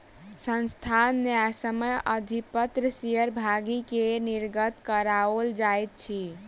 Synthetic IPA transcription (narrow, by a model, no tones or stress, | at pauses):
sənst̪ʰanːasəməjəd̪ʱipət̪ɾəsijəɾbʱaɡikeniɾɡət̪kəɾaold͡ʒajt̪̚t͡ʃʰi